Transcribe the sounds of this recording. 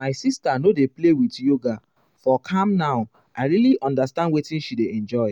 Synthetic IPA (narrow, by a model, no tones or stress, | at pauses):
maɪsistanodeplewitjoɡa | fɔkʰãmnaʊ | aɪɹiliʔɔ̃ndastãndwetĩnʃideɛ̃nd͡ʒɔɪ